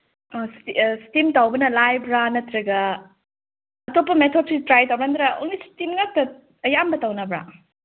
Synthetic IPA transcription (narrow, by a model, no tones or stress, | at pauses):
sistimtawbɐnɐlajbɾanɐt̪ɾɐɡɐ | ɐtopːɐmetʰot̚sitɾajtawɾand̪ɾao̰ŋlistimŋak̚tɐ | ɐjambɐtawnɐbɾa̰